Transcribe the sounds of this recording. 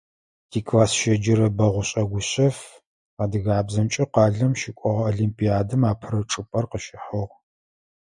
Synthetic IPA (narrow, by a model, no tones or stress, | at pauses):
tʰiːkʰʼlaːsʃɐd͡ʒɪɾɐbɐʁʷʊɕʼɐɡʷʊɕʼɐf | aːdɨɣaːbzɐmt͡ʃʼɪqɑːɮɐmʃikʷʼɔʁɐoːɮimpʼijaːdɨmaːpʰɨɾɐʈ͡ʂʼɨpʼɐrqəʃɪħɐʁ